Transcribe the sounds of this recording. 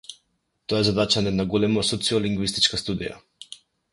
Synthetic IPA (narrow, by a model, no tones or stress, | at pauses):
t̪ojɛzad̪at͡ʃanɛnaɡolɛmɔsɔt̪siɔliŋɡvist̪i̥t͡ʃkast̪ud̪ḭja̰